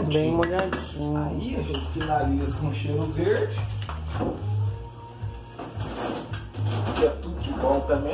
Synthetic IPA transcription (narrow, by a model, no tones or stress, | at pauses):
bẽj̃moʎad͡ʒĩɲaiɐʒẽt͡ʃɪ̥finalizɐkõʃeɾʊveɾd͡ʒɪ | ɪɛt̪ud̪kɪbɔ̃wt̪ɐmẽ